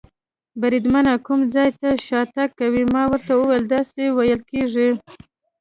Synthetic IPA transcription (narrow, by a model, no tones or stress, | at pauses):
baɾid̪manakumd͡zɑjt̪aʃɑt̪akːawimɑwəɾt̪awəwajld̪ɑsewajəlkeʐi